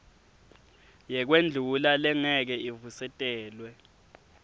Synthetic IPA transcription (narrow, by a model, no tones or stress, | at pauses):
jɛk̬wend͡ɮʱulalɛŋɛk̬ɛivusɛtʼɛːlwɛ